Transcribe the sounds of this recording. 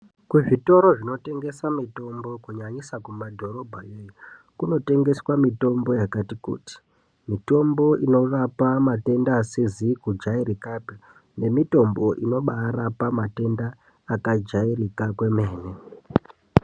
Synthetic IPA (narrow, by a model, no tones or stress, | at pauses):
kuʐito̞ɾo̞ʐino̞te̞ŋɡe̞samito̞mbo̞kuɲaɲisakumadʱo̞ɾo̞bʱajeju | kuno̞te̞ŋɡe̞swamito̞mbo̞jakatikṵːti̥ | mito̞mbo̞ino̞ʋapamate̞ndaːsezikud͡ʒairikaːpi | ne̞mito̞mbo̞ʔino̞ɓaɾapamate̞ndaː | kad͡ʒairikakwe̞meːne